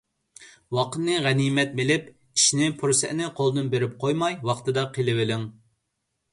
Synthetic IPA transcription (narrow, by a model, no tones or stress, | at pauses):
wɑqʰət̪nɨʁæniːmɛt̪̚belɪp | i̥ʃnɪpʰuɾsɛʔnɪqʰolˠd̪ɨnbeɾɪp̚qʰojmɑjwɑqt̪ɨd̪ɑqʰelɪwɪlɪŋ